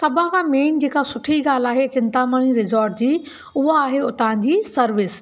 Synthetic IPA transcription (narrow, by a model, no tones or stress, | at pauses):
sɐbʱãkʰãːmeːnd͡ʑeːkasʊʈʰiɡaːl̤aːɦet͡ɕɪ̃nt̪aməɽ̃iɾɪzɔːɾʈ̚d͡ʑiː | ʊɦaːɦeʊt̪ãːɲd͡ʑiːsɐɾʋɪs